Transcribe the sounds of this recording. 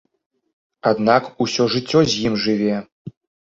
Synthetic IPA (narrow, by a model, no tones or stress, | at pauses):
ad̪nakusʲɔʐɨt͡sʲːɔzʲjimʐɨvʲɛ